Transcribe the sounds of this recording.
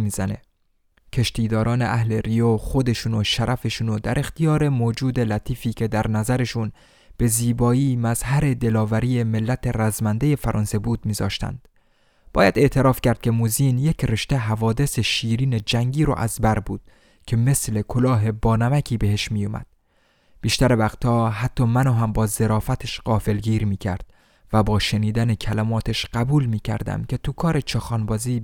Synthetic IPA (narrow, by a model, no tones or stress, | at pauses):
miːzæne̞̰ | cʰe̞ʃt̪iːd̪ɒːɾɒːne̞ʔæhlerijoːxo̞d̪e̞ʃunoʃæɾʔæfe̞ʃunod̪æɾʔe̞xt̪ʰijɒːɾe̞moːd͡ʒuːd̪e̞læt̪ʰiːfiːcʲʰe̞d̪æɾnæzæɾe̞ʃun | b̥e̞ziːbɒːiːmæzhæɾe̞d̪e̞lɒːvæɾiːje̞me̞lːæt̪ʰe̞ræzmænd̪eje̞fæɾʔɒ̰ːnse̞buːd̪̚miːzɒ̰ːʃt̪æ̰nd̪̥ | b̥ɒːjæd̪e̞ʔt̪ʰe̞ɾɒːfcæɾd̪̥̚cʰe̞muziːnjecʰre̞ʃt̪e̞ɦævɒːd̪e̞se̞ʃiːɾiːne̞d͡ʒæŋɟiːɾo̰ʔæ̰zbæɾbuːd̪̥ | cʲʰe̞me̞sle̞kʰo̞lɒːɦe̞bɒːnæmæcʰiːbe̞ɦe̞ʃmiːjomæ̰d̪̥ | b̥iːʃt̪æɾevæxt̪ʰɒːɦæt̪ʰːɒːmænɒːɦæmbɒːze̞ɾɒːfæt̪ʰeʃɢ̥ɒːfe̞lɡiːɾmiːcʰæ̰ɾd̪̥̚ | væbɒːʃe̞niːd̪ænecʰælæmɒːt̪ʰeʃɢæbuːlmiːcʰæ̰ɾd̪æ̰mcʰe̞t̪ʰukʰɒːɾe̞t͡ʃʰɒːxɒːnbɒːziː